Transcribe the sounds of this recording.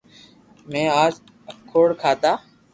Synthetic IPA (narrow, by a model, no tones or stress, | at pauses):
mɛ̃ːaːd͡ʒ | əkʰːoːɽkʰaːt̪aː